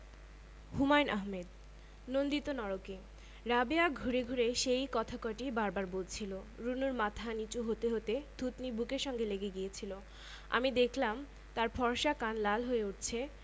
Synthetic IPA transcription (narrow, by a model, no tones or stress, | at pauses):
humajnʔaɦmed̪ | nond̪it̪onɔɾoke | ɾabeaɡʱuɾeɡʱuɾeʃejkɔt̪ʰakɔʈibaɾbaɾbolt͡ɕʰiloɾunuɾmat̪ʰanit͡ɕuɦot̪eɦot̪ed̪̥ʱut̪nibʱukeɾʃɔŋɡeleɡeɡiet͡ɕʰilo | a̰mid̪ekʰlam | t̪aɾfɔɾʃakanlalɦoeuʈ̚t͡ɕʰe